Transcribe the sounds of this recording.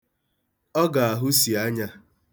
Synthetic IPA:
ɔ˦ɡa˨a˨ɦʊ˦si˨a˦ɲa˦

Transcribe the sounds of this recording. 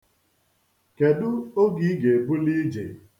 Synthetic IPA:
ke˨dʊ˦o˦ɡi˦ɡe˨e˨bu˦li˦d͡ʒḛ˨

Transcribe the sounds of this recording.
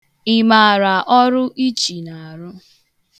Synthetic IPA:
ɪ˨ma˨a˨ɾa˨ʔɔ˦ɾʊ˦ʔi˦t͡ʃi˨na˨ɾʊ˦

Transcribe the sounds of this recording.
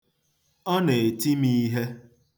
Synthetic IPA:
ɔ˦ne˨e˨ti˦mi˦ɦe˦

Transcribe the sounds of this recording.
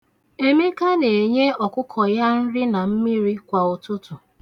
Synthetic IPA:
e˦mi˦ka˦ne˨e˨ɲe˦ɔ˨kʊ˦kʰɔ˨ja˦n̩˦ɾɪ˦na˨m̩˦mi˦ɾi˦kʷa˨ʊ˨tʊ˦tʊ˨

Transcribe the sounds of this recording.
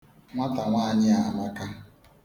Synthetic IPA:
ŋʷa˦ta˨ŋʷaː˦˨ɲɪ˦a˨ma˦ka˦

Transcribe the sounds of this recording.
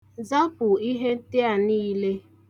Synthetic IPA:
za˦pʊ˨i˦ɦe˦n̩˦tɪ˦a˨niː˦le˦

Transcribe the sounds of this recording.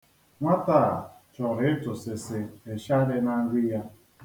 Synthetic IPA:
ŋʷa˦taː˦˨t͡ʃɔ˨ɾɪ˦ɪ˦tʊ˨sɪ˨sɪ˨e˨ʃa˦de˦na˦ŋ̩˦ɡʷɪ˦ja˦

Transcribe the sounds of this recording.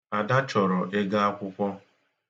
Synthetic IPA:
a˨da˦t͡ʃɔ˨ɾɔ˨ʔe˦ɡa˦a˦kʷʊ˦kʷɔ˦

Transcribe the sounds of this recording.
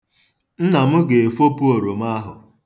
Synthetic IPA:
n̩˦na˨mʊ˦ɡe˨e˨fo˦pu˦o˨ɾo˨m˦a˦ɦʊ̰˨

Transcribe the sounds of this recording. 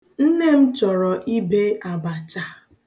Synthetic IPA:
n̩˦ne˦m̩˦t͡ʃɔ˨ɾɔ˨ʔi˦be˦a˨ba˨t͡ʃa˨

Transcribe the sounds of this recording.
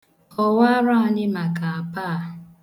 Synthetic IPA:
ɔ˦wa˦ɾa˦a˦nɪ˦ma˨ka˨a˨paː˦˨

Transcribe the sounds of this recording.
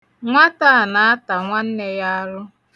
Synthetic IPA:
ŋʷa˦ta˦˨na˨a˦ta˨ŋʷa˦n̩˦ne˦ja˦a˦ɾʊ˦

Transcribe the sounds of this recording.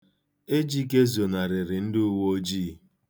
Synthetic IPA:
e˦d͡ʒi˦ke˦zo˨na˨ɾɪ˨ɾɪ˨n̩˦dɪ˦u˦wo˦d͡ʒiː˦

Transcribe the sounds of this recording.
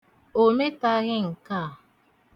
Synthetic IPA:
o˨me˦ta˦ɣɪ˦ŋ̩˨ka˦˨

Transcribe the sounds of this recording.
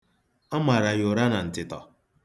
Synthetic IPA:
a˦ma˨ɾa˨jʊ˨ɾa˦na˨n̩˨tɪ˨tɔ˨

